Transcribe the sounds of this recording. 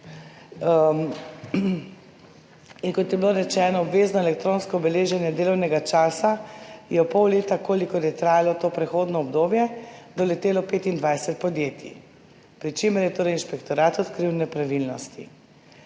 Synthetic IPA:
iŋkɔt̪jɛbiloɾɛt͡ʃɛːnɔɔbʋeːznɔɛlɛkt̪ɾoːnskɔɔbɛleːʒɛnjɛd̪eːlɔwnɛɡat͡ʃaːsajɛɔpːɔwleːt̪akoːlikɔɾjɛt̪ɾaːjalɔt̪oːpɾɛxoːd̪nɔɔbd̪oːbjɛd̪ɔlɛt̪eːlɔpeːt̪ind̪ʋajsɛt̪̚pɔd̪jeːt̪ḭ | pɾit͡ʃemɛɾjɛt̪oːɾɛjinʃpɛkt̪ɔɾaːt̪ɔt̪kɾiwnɛpɾaʋilnɔst̪ḭ

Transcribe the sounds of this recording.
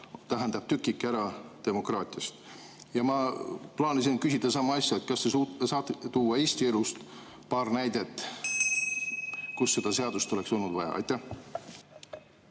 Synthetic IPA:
t̪æɦænd̪̥ɑb̥̚t̪ykːˑikːæɾɑt̪e̞mo̞krɑːt̪ʲˑiɑst̪ | jɑmɑplɑːnisinkysʲid̪̥ɑsɑmːɑɑsʲjɑet̪kɑst̪esusɑːt̪t̪uːɑe̞ːst̪ie̞lust̪ | pɑːrnæjd̪̥e̞t̪ːˑ | kusːe̞d̪̥ɑse̞ɑd̪̥ust̪o̞le̞kso̞lnud̪̥vɑjɑ̰ɑ̰jt̪ˑːæh

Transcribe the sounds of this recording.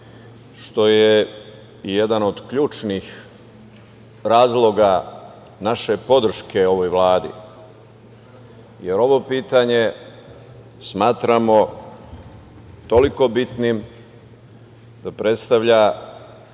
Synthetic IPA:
ʃt̪o̞je | ijed̪anod̪kʎuːt͡ʃnix | ɾaːzlˠo̞ɡa | naʃe̞po̞d̪ɾr̩ʃkʰe̞o̞ʋo̞jʋlaːd̪ḭ | jeɾo̞ʋo̞piːt̪aɲe̞ | smaːt̪ɾamo | t̪o̞liko̞bit̪nim | d̪̥apɾe̞t̪st̪aʋʎa

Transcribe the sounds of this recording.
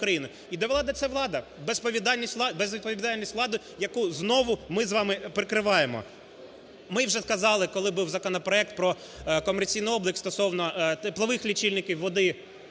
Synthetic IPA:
kɾɐjinʊ | id̪ɛʋlˠɑd̪ɐt̪sɛʋlˠɑd̪ɐbespɔʋʲid̪ɑlʲnʲisʲtʲlˠɑbezʋʲid̪̚pɔʋʲid̪ɑlʲnʲisʲtʋlˠɑd̪ʊ | jɐkuznɔʋʊmɪzʋɑmɪpɾɪkɾɪʋɑjemɔ̰ | mɪwʒɛskɐzɑlˠɪkɔlˠɪbuwzɐkɔnɔpɾɔɛk̚t̪̚pɾɔ | kɔmert͡sʲijnɪjɔblˠɪkst̪ɔsɔwnɔt̪plˠɐʋɪxlʲit͡ʃilʲnɪkʲiwːɔd̪ɪ

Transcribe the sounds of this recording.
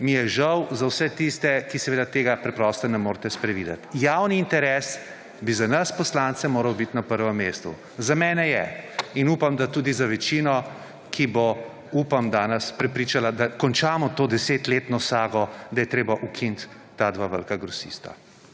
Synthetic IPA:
mijɛʒɐwzawsɛt̪ist̪ɛkisɛʋeːd̪at̪eːɡapɾɛpɾɔst̪ɔnɛmoːɾt̪ɛspɾɛʋiːd̪ɛ̰t̪jawniːnt̪ɛɾɛːs | bizanɐspɔslaːnt̪sɛmoːɾɐwbit̪napəɾʋɛmːeːst̪ṵ | zamɛːnɛjɛ̰inuːpamd̪at̪uːd̪izaʋɛt͡ʃiːnɔ | kʰibo | upamd̪aːnɛspɾɛpɾiːt͡ʃalad̪akɔnt͡ʃaːmɔt̪oːd̪ɛseːt̪leːt̪nɔsaːɡɔd̪ajɛt̪ɾeːbaʔukʰint̪ː | aːd̪ʋaʋə̰lkaɡɾɔsḭst̪a̰

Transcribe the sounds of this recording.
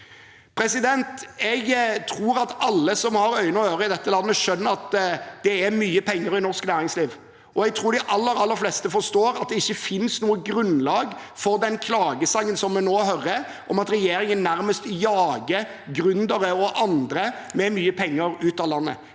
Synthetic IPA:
pʰɾɛsɪd̪ɛnt̪ɛɡt̪ʰɾuːɾɑt̪ɑlːəsɔmhɑɾœʏnɔhøːɾəɪd̪ɛt̪ːəlɑnːəʂœnːəɾɑt̪d̪̥ɛæɾmyːəpʰɛŋːəɾɪnɔɾsknæːɾɪŋsliːʋ | ʔɔɛɡ̚t̪ʰɾuːɾɖ̪ɪʔɑlːəɾɑlːəɾflɛst̪əfɔɾst̪oːɾɑt̪̚d̪ɛɪçːəfɪnsnuːəɡɾʉnlɑːɡfɔɾd̪ɛnkʰlɑːɡəsɑŋːənsɔmːɛnoːhœɾə | ʔɔmɑt̪ɾɛjeːɾɪŋənːæɾməst̪jɑːɡəɾ | ɡɾʉnd̪əɾəɔʔɑnd̪ɾəmɛmyːəpʰɛŋːəɾʉːt̪ɑːlɑnːə̰

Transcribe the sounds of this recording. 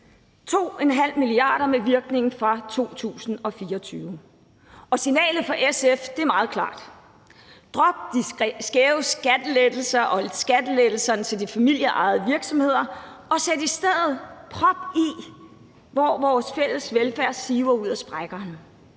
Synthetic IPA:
t͡sʰo̝̰ːenɦæl̰miliɑ̰̈ːɾ̥ɐmeʋiɐɡ̥ne̝ŋn̩fʁɑ̈t͡sʰo̝̰ːt͡sʰṵːsn̩ɒ̽fiːɐːt͡sʰyːʊə | ʔɒ̽sinɛ̰ːləð̩ˠfɒ̽ʔesefd̥e̝æɐmɑ̈ːð̞̩ˠkʰlɑ̰̈ːd̥ | d̥ʁɒ̽b̥̚d̥isɡ̥eʊsɡ̥æd̥əled̥l̩sɐʔɒ̽sɡ̥æd̥əled̥l̩sɐnət͡sʰe̝ld̥ifæmil̰jəʔɑ̈ɪð̩ˠəʋiɐɡ̥sɒ̽mhe̝ð̞̰ˠɐ | ɒ̽sed̥isd̥eð̰ˠð̩ˠpʰʁɒ̽b̥i | ʋɒʋɒːsfel̰əsʋelfæɐ̰siːʊɐuð̞̰ˠæsb̥ʁaɡ̥ɐn

